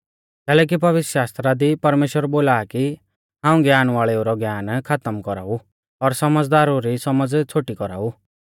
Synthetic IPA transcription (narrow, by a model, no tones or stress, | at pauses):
kɛːlɛːk̬ibɐʋɪt̪ʃaːst̪ɾad̪ipɐɾmeːʃwəɾboːlaːki | ɦãːũɡjaːnʋaːɭeuɾɔɡjaːnkʰat̪əmkɔɾa̰ːu | ɔɾsɐməd͡zd̪aːɾuɾisɐməd͡zt͡sʰoːʈikɔɾa̰ːu